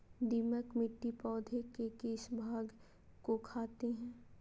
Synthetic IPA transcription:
d̪iːməkmɪʈːipɔːd̪ʱekekeːʃbʱaːɡ | kokʰaːt̪eɦɛ̃ː

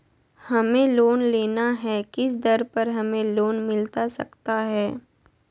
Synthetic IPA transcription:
hɐmẽloːnleːnaɦɛkɪsd̪ɐɾpɐɾɦɐmẽloːnmɪlt̪asɐ̰kt̪aɦɛː

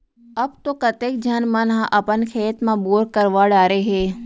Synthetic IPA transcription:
ɐbt̪oːkɐt̪eːk̚d͡ʒʱənmənɦʔɐpənkʰeːt̪mãboːɾkəɾʋaːɽaːɾeɦeː

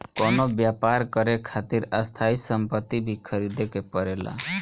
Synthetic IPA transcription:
kɔnobjapaɾkəɾekʰat̪iɾəst̪ʰaisəmpət̪ːibʱikʰəɾid̪ekepəɾela̰

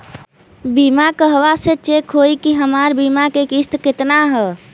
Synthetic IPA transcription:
bimakəɦʋaset͡ʃekɦoikiɦəmaɾbimakekist̪kɪt̪naɦɛ

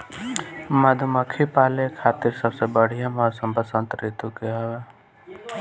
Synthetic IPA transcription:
məd̪ʱuməkʰipaːlekʰaːt̪iɾsəbsebəɽ̤ijamɔɾsəmbəsə̃nt̪ɾit̪ukeɛwe

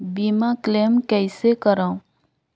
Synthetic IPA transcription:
biːmakleːmkɛɪsekəɾãũ

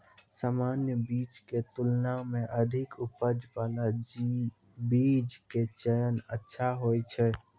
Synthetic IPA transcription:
saːmaːnjəbiːt͡ʃket̪ʊlnamẽʔəd̪ʱɪkʊpəd͡ʒpaːla | biːd͡ʒket͡ʃəjənətːʃʰaɦoːet͡ʃʰɛ

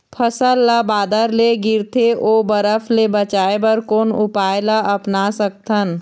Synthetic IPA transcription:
pʰəsəlːəbaːd̪əɾleɡɪɾt̪ʰeʔoːbəɾəpʰlebət͡ʃaːebəɾkoːnʊpaːjlaʔɐpnasək̚t̪ʰən

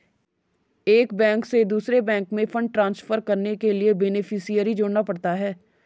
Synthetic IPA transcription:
eːkbɛ̃ːŋksed̪uːsɾebɛ̃ːŋkmẽfʰə̃ɳɖ̚ʈɾãːnsfəɾkəɾnekeliebɛnɪfʰɪsijəɾid͡ʒoːɽnapɐɽt̪aɦɛː

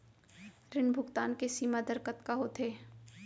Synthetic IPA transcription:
ɾɪnbʱʊkt̪aːnkesiːmad̪əɾkət̪kaɦoːt̪ɦeː

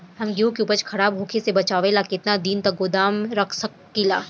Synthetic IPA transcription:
ɦɐmɡiukeupəɾt͡ʃkʰɐɽaːbɦoːkʰesebɐt͡ʃaːʋelakɪt̪nad̪iːnt̪ɐɡod̪aːmɾɐkʰsɐkː | ila̰ː

